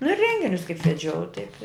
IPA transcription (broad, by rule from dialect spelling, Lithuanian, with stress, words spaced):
nʊ ɪr ˈrʲɛŋʲɡʲɪnʲʊs kɐɪp ʋʲɛˈd͡ʒʲɛʊ tɐɪp ɪ